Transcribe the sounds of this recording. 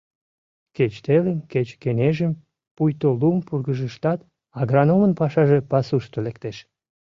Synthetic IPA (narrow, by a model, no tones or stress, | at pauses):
ket͡ɕt̪elənket͡ɕkeneʒəm | pujt̪olumpurɣəʒəʃt̪ɑt̪ | ɑɣrɑnomənpɑʃɑʒe̽pɑsuʃt̪olek̚t̪eʃ